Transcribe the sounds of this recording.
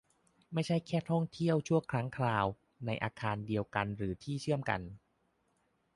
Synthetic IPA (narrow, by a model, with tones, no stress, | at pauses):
ma˥˩jt͡ɕʰa˥˩jkʰɛː˥˩t̪ʰɔ˥˩ŋt̪ʰi˥˩əwt͡ɕʰu˥˩əŋkʰɾa˦˥ŋkʰɾaː˧w | na˧jʔa̰ː˧kʰaː˧ndi˧əwka˧nɾɯː˩˦t̪ʰiː˥˩t͡ɕʰɯ˥˩əmka̰˧n